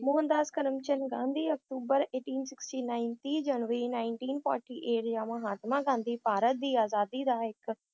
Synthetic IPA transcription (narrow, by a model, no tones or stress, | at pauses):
moːənd̪aːskəɾəmt͡ʃənɡãːnd̪iːək̚t̪uːbəɾeːʈiːnsɪksʈiːnãːɪnt̪iːd͡ʒənʋəɾiːnaːɪɳʈiːnpʰɔ̰ːɾʈiːʔeːʈjãːməɦaːt̪mãːɡãːnd̪iːpaːɾət̪̚d̪iːaːzaːd̪iːd̪aːɪk